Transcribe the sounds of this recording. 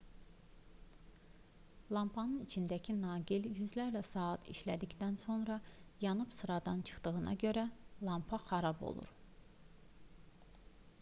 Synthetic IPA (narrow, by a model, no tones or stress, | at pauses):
lˠɑmpʰɑnɯnit͡ʃʰind̪æcʰinɑːɡiljyzlæɾlæsɑːɑt̪ʰḭʃlæd̪icd̪ænso̞nɾɑjɑnɯbsɯɾɑd̪ɑnt͡ʃʰɯ̥χt̪ɯɣɯnʔɑ̰ɟø̞ɾælˠɑmpʰɑxɑɾɑbo̰lˠṵɾ